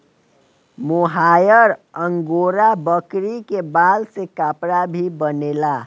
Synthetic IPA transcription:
moɦajəɾəŋɡoɾabəkɾikebalsekapɾabʱibənela

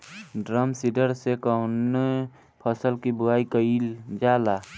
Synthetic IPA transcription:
ɖɾəmsiɖəɾsekəʊne | pʰəsəlkibʊaːikəild͡ʒaːla

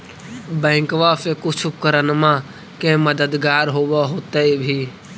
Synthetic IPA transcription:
bɛ̃ːŋkʋaːfekʊt͡ʃʰʊkəɾənmã | kẽːməd̪əd̪ɡaːɾɦoːʋaɦoːt̪eebʱiː

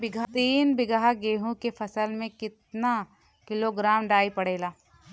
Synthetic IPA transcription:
bɪɡt̪iːnbɪɡɦaɡeːɦũkepʰɐsəlmẽkɪt̪̚na | kɪloɡɾaːmɖaːipɐɽ̤eːlaː

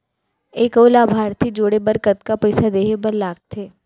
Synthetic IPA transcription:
eːkoːlaːbʱaːɾt̪ʰid͡ʒoːɽebɐɾkət̪̚kapɐɪsad̪eːɦebɐɾlaːɡ̚t̪ʰeː

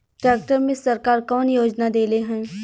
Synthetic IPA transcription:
ʈɾɛːk̚ʈəɾmẽsɐɾkaːɾkɔːnjoːd͡ʒnad̪eːleɦɛ̃ː

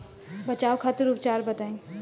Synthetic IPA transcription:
bɐt͡ʃaːokʰat̪ɪɾupt͡ʃaːɾbɐt̪aẽ

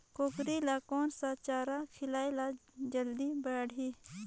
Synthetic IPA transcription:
koːkɾilakɔːnsat͡ʃaːɾakʰɪlaːjlad͡ʒəld̪ibəːɽʱiː

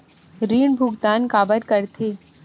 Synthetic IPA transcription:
ɾiːɳbʱʊɡt̪aːnkaːbəɾkəɾt̪ʰeː

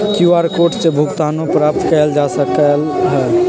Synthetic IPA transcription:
kuaɾkoʈsebʱukt̪anõpɾap̚t̪kɛld͡ʒasəkəlɦɛ

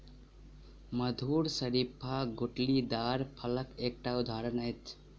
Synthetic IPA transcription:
məd̪ʱuːɾsəɾipʰaɡuʈlid̪aːɾpʰɐləkek̚ʈaud̪ʱaːɾənəjt̪ʰ

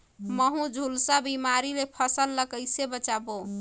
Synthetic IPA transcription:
məɦũd͡ʒʱulsabimaɾilepʰəsəlːəkəjsebət͡ʃabo

